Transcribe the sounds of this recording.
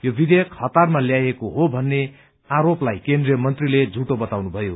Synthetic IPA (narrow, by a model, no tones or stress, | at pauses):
jobid̪ʱejʌkhʌt̪armaljajekoɦobʱʌnːe | aɾoplajkend̪rijʌmʌnt̪riled͡zʱuʈobʌt̪awnubʱʌjo